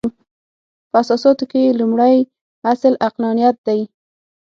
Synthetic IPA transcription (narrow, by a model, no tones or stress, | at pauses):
pəasɑsɑt̪okejelumɽaj | aslaqlɑnijat̪̚d̪aj